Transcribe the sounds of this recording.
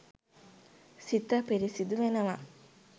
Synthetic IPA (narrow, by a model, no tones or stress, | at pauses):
sit̪ːɐpiɾisid̪uʋenɐʋa